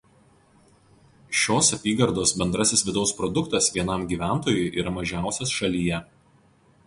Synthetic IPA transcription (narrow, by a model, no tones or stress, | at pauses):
ʃʲoːsɐpʲiːɡɐɾd̪oːsbʲɛnd̪ɾɐsʲɪsʋʲɪd̪ɒʊspɾɔd̪ʊkt̪ɐsʋʲiɛnɐmɡʲiːʋʲæˑnt̪oːjʊɪʔiːɾɐmɐʒʲæˑʊsʲɛsʃɐlʲijɛ